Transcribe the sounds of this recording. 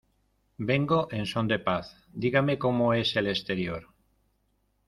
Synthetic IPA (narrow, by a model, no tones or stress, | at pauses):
be̞ŋɡoʔensõnd̪e̞paθ | d̪iɣamekomoeselest̪eɾjoɾ